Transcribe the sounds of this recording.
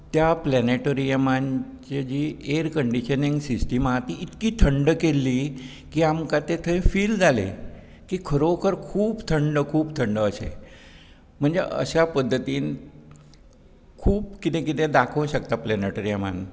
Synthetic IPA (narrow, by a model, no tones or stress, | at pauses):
t̪japlɛneʈəɾijəmant͡ɕed͡ʑieɾkəɳɖiʃəniŋɡsisʈimat̪iit̪kit̪ʰəɳɖkelːi | kiamkãt̪et̪ʰə̃ĩfild͡zalḛ | kikʰəɾokʰəɾkʰuːbt̪ʰəɳɖəkʰuːbt̪ʰəɳɖəəʃḛ | m̤əɳd͡zḛʔə̰ʃapəd̪ʱːət̪in | kʰuːbkit̪ẽkit̪ẽd̪akʰəʋ̃ʃək̚t̪aplɛneʈəɾijəma̰n